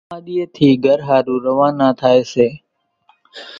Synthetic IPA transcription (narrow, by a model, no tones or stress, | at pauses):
ãːɗiːeːt̪ʰiːɡʱəɾɦaːɾũːɾəʋãːnãːt̪ʰaːeːseː